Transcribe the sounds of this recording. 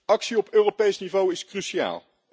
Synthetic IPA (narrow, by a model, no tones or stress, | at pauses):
ɑksiɔpøːropejsnivowɪskrysia̰ːlˠ